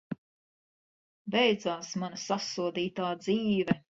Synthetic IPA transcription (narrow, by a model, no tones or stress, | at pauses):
bɛjd̪zaːsmanɐsasuɔd̪iːt̪aːd̪ziːvɛ